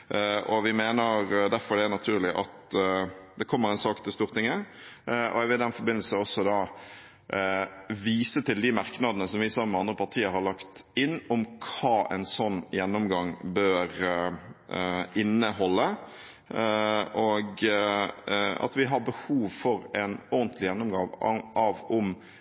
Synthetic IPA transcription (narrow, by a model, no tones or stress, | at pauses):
ʔɔʋɪmeːnəɾd̪æɾfɔɾɖ̪ɛænɑt̪ʰʉːɾlɪʔɑt̪ | d̪ɛkʰɔmːəɾɛnsɑːkt̪ʰɪlst̪uːʁɾt̪ɪŋːə | ʔɔ̰ɛʋɪd̪ɛnfɔɾbɪnəl̩səɔsːɔd̪ɑː | ʋiːsət̪ʰɪld̪ɪmɑɾknɑd̪ənəsɔmʋɪsɑmːməɑnd̪ɾəpʰɑt̪ʰiːəɾhɑɾɭɑkt̪ɪnːɔmkʰɑːʔɛ̰nsɔnːjɛnːɔmɡɑŋbøːɾ | ɪnːəhɔlːə | ɔɡ | ɑ̰t̪ʋɪɦɑɾbəhuːʋfɔɾɛnɔənt̪ʰlɪjɛnːɔmɡɑːʋɑʋʊm